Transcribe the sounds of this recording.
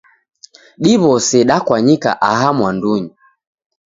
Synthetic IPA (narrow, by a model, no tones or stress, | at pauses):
ɗiβɔsɛɗakwaɲika̰ʔaɦamwanduɲi